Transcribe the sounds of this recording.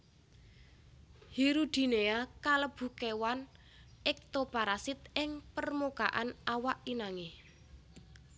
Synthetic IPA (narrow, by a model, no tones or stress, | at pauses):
hiɾud̪̥i̤neakaləb̥ṳkewan | ɪk̚t̪opaɾasɪt̪̚ɪŋpərmoka̰ʔanawaʔinaŋe